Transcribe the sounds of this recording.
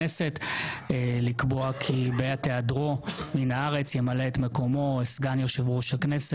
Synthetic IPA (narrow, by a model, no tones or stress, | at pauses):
ese̞telikboakʰibeateadʁo̞minaaʁe̞t͡sjemaleːtme̞ko̞mo̞esɡanjoʃevʁuʃakne̞se